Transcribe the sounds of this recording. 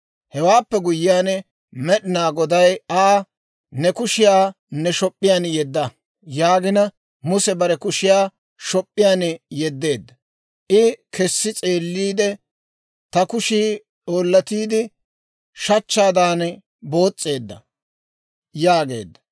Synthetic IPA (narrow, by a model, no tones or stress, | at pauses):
hɛwaːpːɛɡʊjːɪjaːn | mɛɗɪnaːɡɔd̪ɐjaː | nɛkʊʃɪjaː | nɛʃɔpʼːɪjaːnjɛd̪ːɐ | jaːɡɪnɐ | mʊsɛbɐɾɛkʊʃɪjaː | ʃɔpʼːɪjaːnjɛd̪ːe̞ːd̪ːɐ | ʔɪkʰɛsːɪt͡sʼe̞ːlːiːd̪ɛ | t̪ɐkʊʃiː | ᶑoːlːɐt̪iːd̪ɪ | ʃɐt͡ʃːaːd̪aːn | bo̞ːt͡sʼːe̞ːd̪ːɐ̰ | jaːɡe̞̰ːd̪ːɐ̥